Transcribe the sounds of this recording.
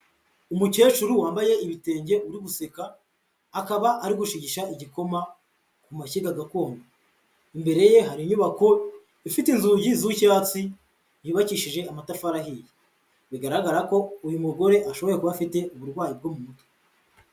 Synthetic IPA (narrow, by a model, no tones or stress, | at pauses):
umuce̞ːʃuɾuwaːmbaje̞iβite̞ːɲɟe̞uɾiɡuse̞kaː | kaβaʔaɾiɡuʃiɟiʃaiɟiko̞ma | kumaciɡaɡako̞ːŋɡo | imbe̞ɾe̞je̞ɦaɾiɲuβako̞ | ifitinzuɟizucaːt͡si | jiːβaciʃiʒe̞amatafaɾahije | βiɡaɾaɡaɾako̞ujumuɡo̞ɾe̞ʔaʃo̞βo̞ɾje̞kuβafite̞uβuɾɡwaːjib̚ɡo̞mumuto̥